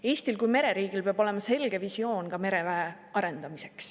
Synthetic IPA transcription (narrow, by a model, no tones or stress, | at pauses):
e̞ːst̪ilkujme̞ɾe̞ɾiːɡ̥ilpeɑb̥o̞le̞mɑse̞lɡ̥e̞visio̞ːnkɑme̞ɾe̞væe | ɑɾe̞nd̪̥ɑmise̞ks